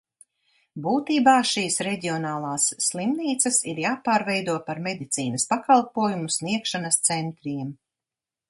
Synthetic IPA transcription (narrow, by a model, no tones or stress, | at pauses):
buːt̪iːbaːʃiːsɾɛdʲiɔnaːlˠaːsːlˠimniːt̪sɐsiɾjaːpaːɾvɛjd̪uɔpaɾmɛd̪it̪siːnɐspakalˠpuɔjumusniɛkʃanɐst̪sɛnt̪ɾiɛm